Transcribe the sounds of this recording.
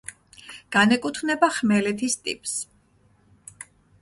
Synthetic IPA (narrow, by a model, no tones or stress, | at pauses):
ɡ̥anɛkʼut̪ʰnɛbaχmɛlɛt̪ʰist̪ʼḭpʼs